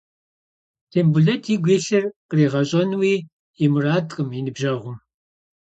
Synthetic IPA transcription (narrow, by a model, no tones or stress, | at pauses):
tʰeːmbuɮɐtʰiɡʷeːɬɐrqreːʁɐɕʼɐnwiː | imɨraːdʼqʼəminɨbʒɐʁʷʊm